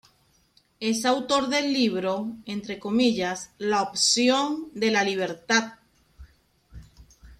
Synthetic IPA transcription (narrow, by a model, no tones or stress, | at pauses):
e̞sawt̪o̞ɾðe̞lːiβ̞ɾo̞ent̪ɾe̞ko̞miʎaslaopsjo̞nd̪e̞laliβ̞e̞ɾt̪að